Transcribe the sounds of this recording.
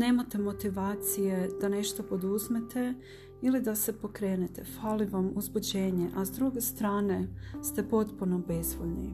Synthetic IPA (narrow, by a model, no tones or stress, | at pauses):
ne̞ːmat̪e̞mo̞t̪iʋaːt̪sije̞d̪̥ane̞ʃt̪o̞po̞d̪uzmet̪ʰe̞ | ilid̪ase̞po̞kɾeːnet̪e̞faliʋamuzbud͡ʑe̞ːɲeʔazd̪ɾuɡe̞st̪ɾaːne̞st̪e̞po̞t̪punobe̞zʋoʎni